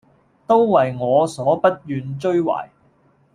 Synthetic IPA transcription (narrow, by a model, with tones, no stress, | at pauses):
t̪o˥wwɐ˨jŋɔː˨˧sɔː˨˥pɐ˥t̚jyː˨˧nt͡ʃɵ˥ɥwa̰ː˨˩j